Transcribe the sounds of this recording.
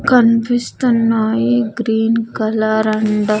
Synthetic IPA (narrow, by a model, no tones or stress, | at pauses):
kɐnbist̪ɐnːaːjiɡɾiːnkɐlaːɾɐɳɖɐ